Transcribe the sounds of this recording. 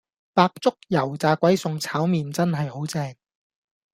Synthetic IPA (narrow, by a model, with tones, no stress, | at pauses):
paː˧k̚t͡sʊ˥k̚jɐ˨˩wt͡saː˨˧kʷwɐ˨˥jsʊ˨ŋt͡sʰaː˨˥wmiː˨nt͡sɐ˥nɦɐ˨jho˨˥wt͡sɛː˧ŋ